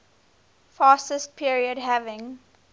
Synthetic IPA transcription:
faːstəst̚pʰiəɹiədɦævɪ̃ŋ

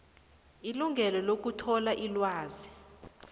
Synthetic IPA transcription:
iluŋɡʱɛlɔlok̬utʰɔlaʔilwaːzi

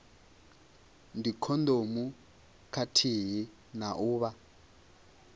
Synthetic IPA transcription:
ndikʰɔnd̪omu | kʰatʰiɦi | naʔuːβa

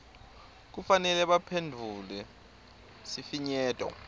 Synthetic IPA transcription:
k̬ufanɛlɛɓapʰendʱulɛ | sifiɲɛːtʼɔ̰

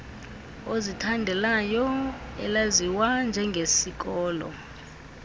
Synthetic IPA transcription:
ozitʰandʱɛlajɔ | ɛ̰laziwand͡ʒʱɛŋɡʱesik̬ɔːlɔ̰

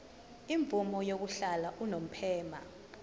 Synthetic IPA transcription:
iɱb̪vumɔjok̬uɬalaʔunom̩pʰɛːma

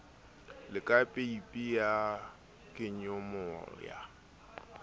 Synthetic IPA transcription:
lɪkʼapʼeipʼija | kʼɪɲʊmʊɔ̰ja̰

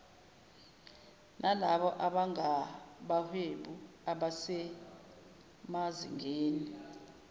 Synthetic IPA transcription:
nʔalaɓɔʔaɓaŋaɓaheɓu | aɓasɛ | mazḭŋeːni

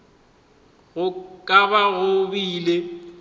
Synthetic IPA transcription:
ɣʊkʼaβaɣʊbiːle

